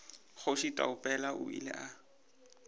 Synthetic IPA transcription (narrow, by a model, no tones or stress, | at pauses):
χoʃitʼa̰ʊpʼɛlaʔʊḭlɛ̰ʔa